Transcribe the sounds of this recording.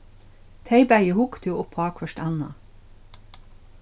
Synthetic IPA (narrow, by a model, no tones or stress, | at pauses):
t̪ʰeɪbæɪəhʊkt̪ʰjuːʔʊpʰɑːkʰfœʃtænɑ̰